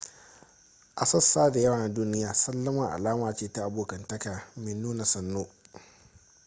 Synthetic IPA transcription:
ʔa˨sɐ˦sːaː˦da˨jɐ˦waː˨na˦duː˦nɪ˦jaː˨sɐ˦lːɐ˦mɐ˨ŋʔa̰˨laː˦maː˨t͡ʃeː˦˨ta˦ʔa˨boː˨kɐ˨ntɐ˦kaː˨mɪ˨nːuː˦na˨sɐ˨nːoː˦

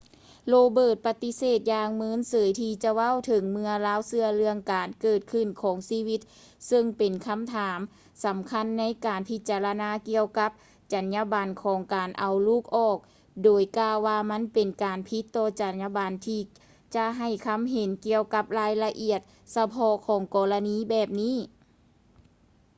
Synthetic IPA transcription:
loː˧bɤː˧˩t̪̚pa˧t̪i˧˥seː˨˩t̪̚jaː˧ŋmɯː˧˥˨nsɤː˨˦jt̪ʰiː˧t͡ɕa˧wa˧˥˨wt̪ʰɤ˨˦ŋmɯ˧ɐlaː˧˥˨wsɯ˧ɐlɯ˧əŋkaː˨˩nkɤː˧˩t̪̚kʰɯ˧˩nkʰɔː˨˦ŋsiː˧˥˩wi˧˥t̪̚ | sɤ˧ŋpe˨˩nkʰa˧˥˨mt̪ʰaː˩˦m | sa˨˦mkʰa˧˥˨nːa˦˥jkaː˨˩npʰi˧t̪̚t͡ɕaː˨˩la˧naː˧˥ki˧əwka˧˦˥p̚ | t͡ɕa˨˩nɲa˧baː˨nkʰɔː˩˦ŋkaː˨˩nʔa˨˩wluː˥˩k̚ʔɔː˧˩k̚ | doː˨˩jkaː˧wːaː˧ma˧˥˨npe˨˩nkaː˨˩npʰi˧˥t̪ːɔː˧˩t͡ɕa˨˩nɲa˧baː˨nt̪ʰiː˧ | t͡ɕa˧ʔɦa˨˩jkʰa˧˥˨mɦe˨˦nki˧əwka˧˦˥p̚laː˧˥˨jla˧ʔi˧˩ət̪̚ | sa˧pʰɔ˧˥kʰɔː˨˦ŋkɔː˨˩la˧niː˧˥bɛː˨˩p̚niː˥˨

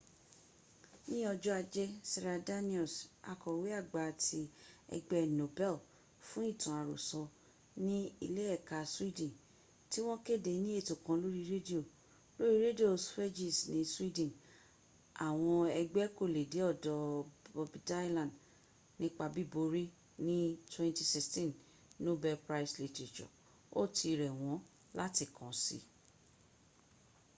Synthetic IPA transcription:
nĩ˦ɔ˧d͡ʒɔ˦a˧d͡ʒɛ˦sɛ˧ɾa˧da˦nĩ˦ɔ˨sa̰˧kɔ˨we˦a˦˨ɡ͡ba˨tʰi˧ɛ̰˧ɡ͡bɛ˦˨no˨bɛ˦l | fũ˦i˦˨tã˨a˨ɾo̰˨sɔ˨ | nĩ˦i˧le˦ɛ˦˨ka˨swi˦dĩ˨ | ti˦w̃ɔ̃˦ke˦˨de˨˦nĩ˦e˦˨tõ˨kã˧lo˦ɾi˧ɾe˦di˦o˨ | lo˦ɾi˦ɾe˦di˦o˨sfɛ˦d͡ʒi˨snĩ˨˦swi˦dɛ̃˨n | a˨w̃ɔ̃˧ɛ˧ɡ͡bɛ˦ko˦˨le˨de˨˦ɔ˦˨dɔ˨ɔ˧bi˧da˦jlã˨d | nĩ˦k͡pa˧bi˦bo˧ɾi˦ | nĩ˦twɛ̃˦˧nti˧si˦stĩ˦˨n | no˦bɛ˧pɾa˦i˨sle˨˧ti˨t͡ʃɔ̰˨ | o˦˨tʰi˧ɾɛ˨w̃ɔ̃˨˦ | la˦ti˧˨kɔ̃˨sḭ˨˧

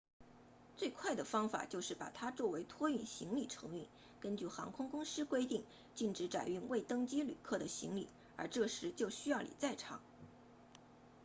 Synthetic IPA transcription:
t͡swe˥˧ɪkʰwa˥˩ɪd̪ə˩fɑ˥ŋfa̰˨˩t͡ɕjo˥˧ʊʂɻ̩˥˩pa̰˨˩t̪ʰa˥t͡swɔ˥˩we˧˥ɪt̪ʰwɔ˥y˥˩nɕi˧˥ŋli˨˩ʈ͡ʂʰɤ̰˧˥ŋy˥˩n | kə˥nt͡ɕy˥˩xɑ̰˧˥ŋkʰʊ˥ŋkʊ˥ŋʂɻ̩˥kwe˥ɪt̪i˥˩ŋ | t͡ɕi˥˩nʈ͡ʂɻ̩˧˥ʈ͡ʂa̰˨˩ɪy˥˧ŋwe˥˩ɪt̪ɤ˥ŋt͡ɕi˥ly̰˨˩kʰɤ˥˩d̪ə˩ɕḭ˧˥ŋlḭ˨˩˦ | ə̰˞˧˥ʈ͡ʂɤ˥˩ʂɻ̩˧˥t͡ɕjo˥˩ʊɕy˥jɑ˥˩ʊlḭ˨˩t͡sa˥˩ɪʈ͡ʂʰɑ̰˧˩˥ŋ

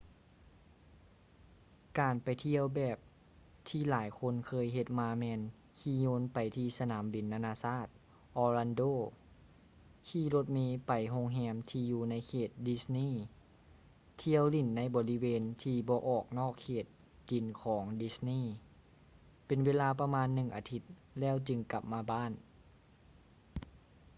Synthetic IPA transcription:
kaː˨˩npa˨˩jt̪ʰi˧əwbɛː˨˩p̚ | t̪ʰiː˧laː˩˦jkʰo˧˥˨nkʰɤː˧jɦe˧˩t̪̚maː˧mɛː˧n | kʰiː˧˩ɲoː˧˥npa˨jt̪ʰiː˧sa˧naː˩˦mbi˨˩nːaː˧naː˧saː˥˩t̪̚ | ʔɔː˧la˧ndoː˧˩ | k̪ʰiː˧˩lo˧˦t̪̚meː˧pa˨˩jɦo˧˨ŋɦɛː˧˥mt̪ʰiː˧juː˧na˧˥jkʰeː˨˩t̪̚di˧˥sniː˥˨ | t̪ʰi˧əwli˧˩nːa˧˥jbɔː˨˦li˦˥weː˧nt̪ʰiː˧bɔː˧ʔɔː˨˩k̚nɔː˥˩kʰːeː˨˩t̪̚ | di˨˩nkʰɔː˩˦ŋdi˧˦˥sniː˥˩˨ | pe˨nweː˧˥˧laː˧pa˧maː˧˥nːɯ˨˩ŋʔaː˨˧t̪ʰi˧˦t̪̚lɛː˥˩˨wt͡ɕɯ˧ŋka˨˩p̚maː˧baː˥˨n

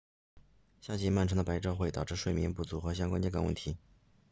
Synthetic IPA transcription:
ɕja˥˩t͡ɕi˥˧ma˥˩nʈ͡ʂʰɤ˧˥ŋd̪ə˧pa˧˥ɪʈ͡ʂɑ˥˧ʊxwe˥˩ɪt̪ɑ˨˩ʈ͡ʂɻ̩˥˧ʂwe˥˩ɪmjɛ˧˥npu˥˩t͡su˧˥xɤ˧˥ɕjɑ˥ŋkwa˥nt͡ɕjka˥nwə̰˥˩nt̪ʰi˧˥

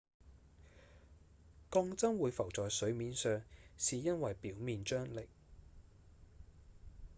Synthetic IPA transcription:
kɔː˧˥ŋt͡sɐ˥ŋwuː˨˧jfɐ˨˩wt͡sɔː˨jsɵ˨˥ɥmiː˨˥nsœː˧ŋsiː˨jɐ˥nwɐ˨jpiː˨˥wmiː˨nt͡ʃœː˥ŋlɪ˨˩k̚

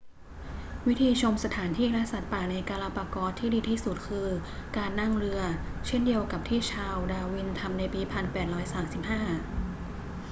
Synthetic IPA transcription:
wi˦˥t̪ʰiː˧t͡ɕʰo˧msa˧t̪ʰaː˩˦nt̪ʰiː˥˩ɾa˧sa˨˩t̪̚paː˨˩na˧jkaː˧laː˧paː˧kɔː˧˥t̪ʰːiː˥˩diː˧t̪ʰiː˥˩su˨˩t̪̚kʰɯː˧kaː˧nːa˥˩ŋɾɯ˧ɐt͡ɕʰe˥˩ndi˧əwka˨˩p̚t̪ʰiː˥˩t͡ɕʰaː˧wdaː˧wi˧nt̪ʰa˧mna˧jpiː˧pʰa˧npɛː˨˩t̪̚ɾɔː˦˥jsaː˩˦msi˨˩p̚haː˥˩

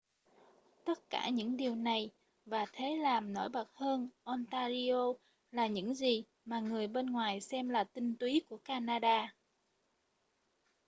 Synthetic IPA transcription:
t̪ə˦˥t̚ka̰ː˧˩ɲɨ̰˧˥ŋɗi˨˩əwna˨˩j | vaː˨˩t̪ʰe˨˦laː˨˩mno̰˧˥˩jɓə˨˩t̚həː˧nʔɔ˧nt̪aː˧zi˧o˧ | laː˨˩ɲɨ̰˧˥ŋzi˨˩ | maː˨˩ŋɨ˨˩əjɓe˧nŋwaː˨˩jsɛ˧mlaː˨˩t̪ï˧ŋ̟t̪wi˨˦ku˧˩əkaː˧naː˧ɗaː˧

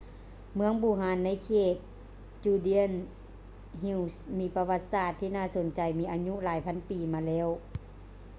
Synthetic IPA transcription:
mɯ˧əŋbuː˧˩ɦaː˨˩nːa˧˥˨jkʰeː˧˩t̪̚ | t͡ɕuː˧˩di˧˥ə˨n | ɦi˧wsmiː˧˥pa˧wa˧t̪̚saː˧˩t̪ʰːiː˧naː˧˥˨so˨˦nt͡ɕa˨˩jmiː˧ʔaː˧ɲu˧˨ʔlaː˨˦jpʰa˧˥˨npiː˨maː˧lɛː˦˧˥w

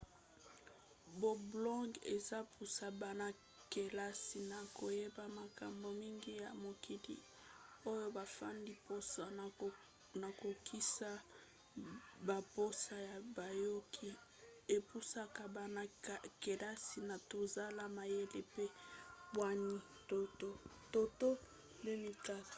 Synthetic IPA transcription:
bo˨blɔ̃˦ŋɡe˨za˦pʰu˨sa˨ba˨na˦ | ke˨la˦si˨na˨ko˨je˦ba˨ma˨ka˨mbo˨mi˦ŋɡi˦ja˨mo˨kʰi˨lḭ˨ | o˦jo˦ba˨fa˦ndi˦po˦sa˨ | na˨ko˨kʰi˦sa˦ | ba˨po˦sa˦ja˨ba˨jo˦kʰi˦ | e˨pu˦sa˦ka˨ba˨na˦˨ke˨la˦si˨na˨to˨za˦la˦ma˨je˦le˦˨pe˦bwa˦ni˦ | to˦to˦ | to˦to˦ | nde˦ni˨ka˦˨

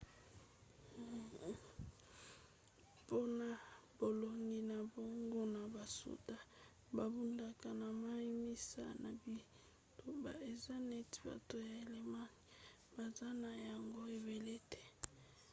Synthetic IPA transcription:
po˦na˨bo˨lo˨ŋɡi˨na˨bo˦ŋɡo˦na˨ba˨sṵ˨ta˦ | ba˨bu˦nda˨ka˨na˨ma˦i˦mi˦sa̰˦na˨bi˦ | to˦ba˨e˨za˦ne˦ti̥˨˦ba̰˨to˦ja˨e˨le˨ma˦ni˨ | b̥a˨za˦na˨ja˨ŋɡo˦e˨be˨le˦tʰɛ̥˦

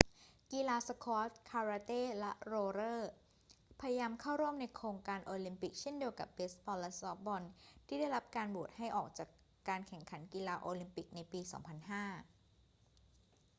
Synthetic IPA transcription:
kiː˧laː˧sa˧kʰɔː˦˥t̪̚kʰaː˧ɾaː˧t̪eː˥˩lɛ˦˥ʔɾoː˧ɾɤː˥˩ | pʰa˧ja˧jaː˧mkʰaː˥˩wɾu˥˩əmna˧jkʰɾoː˧ŋkaː˧nʔoː˧li˧mpi˨˩k̚t͡ɕʰe˥˩˨ndi˧əwka̰˨˩p̚be˦˥sbɔː˧lɛ˦˥sɔ˦˥p̚bɔ˧nt̪ʰiː˥˩da˥˩jɾa˦˥p̚kaː˧nbu˨˩ət̪̚ha˥˩jʔɔː˨˩k̚t͡ɕaː˨˩kː | aː˧nkʰɛ˨˩ŋkʰa˩˦nkiː˧laː˧ʔoː˧li˧mpi˨˩k̚na˧jpiː˧sɔ̰ː˩˦ŋpʰa˧nhaː˥˩

